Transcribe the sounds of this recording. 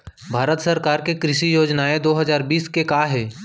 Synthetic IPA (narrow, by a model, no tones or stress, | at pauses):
bʱaːɾət̪səɾkaːɾkekɾɪʃijoːd͡ʒnaed̪oːɦəzaːɾbiːskekaɦɛː